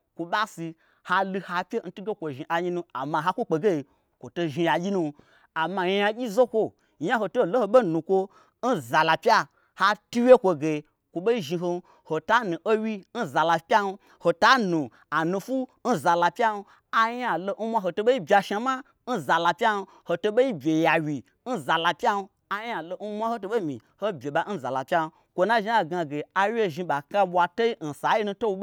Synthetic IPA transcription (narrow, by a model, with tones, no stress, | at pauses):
kʷo˨ɓa˦si˧ | ha˧lu˧ha˧pʲe˦n̩˦tu˦ɡe˦kʷo˨ʒi˨ʔa˨ɲi˧nu˧a̰˨mã˨ɦa˦kʷo˦k͡pe˨ɡe˦i˨ | kʷo˨to˧ʒi˧ja˨ɡʲi˦nũ˧ | a˨ma˧˨ja˧˦a˧ɡʲi˦zo˦kʷo˦ | ɲa˦ho˧to˦˨lo˦ho˧ɓo˦˨nũ˨kʷo˧ | n̩˦za˨la˨pʲja˦ | ha˦tu˦wje˦kʷo˧ɡe˨ | kʷo˨ɓo˦i˦ʒi˧ɦo˧˦ | ho˨ta˦nu˨ʔo˦wi˦n̩˦za˨la˨pʲa˦n̩˧ | ho˨ta˨˦nu˨ | a˨nũ˧fu˦n̩˦za˨la˧pʲa˦nu˧ | a˦ja˨lo˧˦n˦mʷa˦ɦo˨to˧ɓo˦i˦bʲa˧ʃa˨ma˦ | n̩˦za˨la˨pʲa˦nu˧ | ho˨to˧ɓo˦i˦bʲe˨ja˨wʲi˨ | n̩˦za˨la˨pʲa˦nu˧ | a˦ja˨lo˧n̩˦mʷ˦a˦ho˦to˧ɓo˦i˦mḭ˨ | ho˦bʲe˨ɓa˨˦n̩˦za̰˨la˨pʲa˦n˧ | kʷo˨na˦ʒi˦a˨ɡa˧ɡe˨a˨wʲe˦˨ʒi˧ɓa˨ka˧ɓʷa˧to˦i˦n̩˨sa˨˦ji˦nu˧to˦wu˧˦